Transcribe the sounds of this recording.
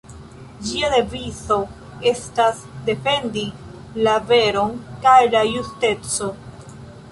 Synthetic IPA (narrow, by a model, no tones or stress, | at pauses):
d͡ʒiade̞vizo̞ | e̞stasde̞fe̞ndi | lave̞ɾo̞nkajlajuste̞t͡so̞